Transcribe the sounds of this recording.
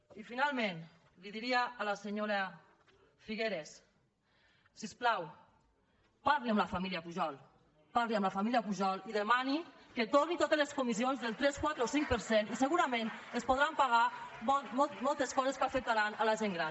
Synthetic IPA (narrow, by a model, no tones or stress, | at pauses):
ifinalˠmẽn | liðiɾiaːlaseɲoɾa | fiɣeɾes | isplaw | paɾliamlafamiliapuʒɔlˠ | paɾliamlafamiliapuʒɔliðemani | ket̪oɾnit̪ot̪ezleskumizionzðelˠt̪ɾɛskwat̪ɾeosiŋk̚pəɾseniseɣuɾamẽn | espoðɾampaɣ̞amɔmɔlmɔlˠt̪eskɔzeskafək̚t̪aɾanalaʒeŋɡɾan